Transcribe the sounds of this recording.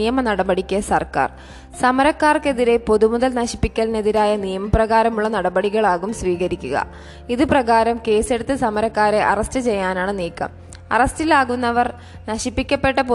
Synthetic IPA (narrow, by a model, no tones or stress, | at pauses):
ijɐmɐnɐɽɐbɐɽikʲːɐsɐrka̰ːr | sɐmɐɾɐkːaːrke̞ðiɾe̞po̞ðumuðɐlnɐɕi̥pːikʲːɐline̞ðiɾaːjɐnijɐmɐprɐɣaːɾɐmuɭːɐnɐɽɐbɐɽiɣɐɭaːɣumsʋiːɣɐɾikʲːuɣɐ̰ | iðɨprɐɣaːɾɐmke̞ːse̞ɽut̪ːɨsɐmɐɾɐkːaːɾeʔɐrɐstɨt͡ɕe̞jːaːnaːɳɨniːkːɐ̰m | ɐ̰rɐstilaːɣunːɐʋɐr | nɐɕipːikʲːɐpːe̞ʈːɐpo